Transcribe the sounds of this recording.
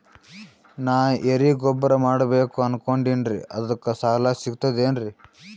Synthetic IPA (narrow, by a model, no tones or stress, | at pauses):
naːʔeɾiɡɔbːɐɾɐmaːɽɐbe̞ːkuɐnkoɳɖinɾiʔɐd̪ɐkːɐsaɦɐlaːsiɡut̪ɐd̪eːnɾi